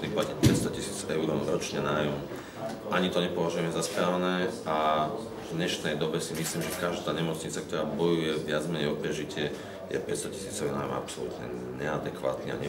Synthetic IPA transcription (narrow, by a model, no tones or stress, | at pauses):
nimplacicpɛcst̪ɔcisiːt͡sɛʊɾɔɾɔt͡ʃɲɛnaːjɔm | ʔaɲit̪ɔɲɛpɔʋaʒujɛmɛzaspɾaːʋnɛːʔa | d̪ɲɛʃnɛjd̪ɔbɛsimisliːmʒɛkaʒd̪aːɲɛmɔt͡sɲit͡sak̚t̪ɔɾaːbɔjujɛʋɪad͡zmɛɲɛjɔpɛʒicɪɛ | jɛ̰pɛcst̪ɔci̥siːt͡sɔʋinaːjɔma̰psɔlṵt̪ɲɛ̰ | ɲɛad̪ɛkʋa̰ːt̪nḭa̰ɲɛ